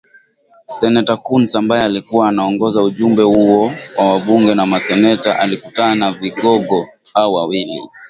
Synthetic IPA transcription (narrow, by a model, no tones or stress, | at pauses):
sɛnɛtakunsambaɛalikuwaːnaɔŋɡɔzauʄumbɛhuɔwawaɓuŋɡɛnamasɛnɛtaʔalikutanaviɠɔɠɔ | haɔwawilḭ